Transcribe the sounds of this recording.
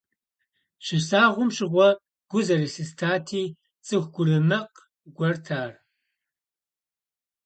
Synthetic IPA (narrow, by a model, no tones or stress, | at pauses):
ɕɪsaːʁʷʊmɕɪʁʷɔ | ɡ̥ʷʊzɐriːsɨstʰaːtʰiː | t͡sʼɨxʷɡʷʊrɨmɐq | ɡʷɔɐrtʰaːr